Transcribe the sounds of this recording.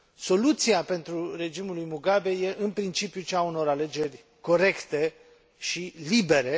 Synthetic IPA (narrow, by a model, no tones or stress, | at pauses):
so̞lut̪siape̞nt̪ɾure̞d͡ʒimulujmuɡabe̞je̞ʔɨnpɾint͡ʃipjut͡ʃauno̞ɾale̞d͡ʒe̞rʲ | ko̞ɾe̞kt̪e̞ | ʃilibe̞ɾe̞